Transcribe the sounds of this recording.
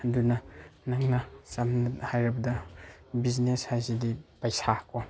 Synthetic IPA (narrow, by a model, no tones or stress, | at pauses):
dunɐnaŋnasamnathajɾɐbɐdɐbizneshajzidipɐjsakɔ